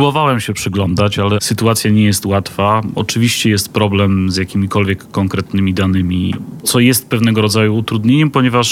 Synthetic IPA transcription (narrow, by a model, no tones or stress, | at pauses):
ubɔvawɛmɕɛpʂɘɡlɔnd̪at͡ɕalɛsɘt̪uat̪sʲjaɲɛjɛst̪wat̪faɔ̰t͡ʂɘvʲiɕt͡ɕɛjɛst̪pɾɔblɛmzjakʲimʲikɔlvʲjɛkːɔŋkɾɛt̪nɘmʲid̪anɘmʲit̪sɔjɛst̪̚pɛvnɛɡɔɾɔd̪zajuːt̪ɾud̪ɲeɲɛmpɔɲɛvaʂ